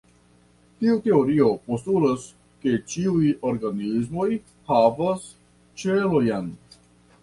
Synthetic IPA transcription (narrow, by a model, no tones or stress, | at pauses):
tiute̞o̞ɾio̞postulas | ke̞t͡ʃiujo̞ɾɡanizmo̞j | havas | t͡ʃelo̞jn